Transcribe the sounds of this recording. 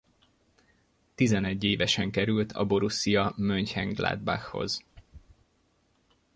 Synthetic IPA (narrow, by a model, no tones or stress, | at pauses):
t̪izɛnɛɟːeːvɛʃɛŋkɛɾylt̪ʰɒ̰bo̞ɾusːijɒmøɲchɛŋɡla̰ːd̪̚ba̰xho̞̰z̥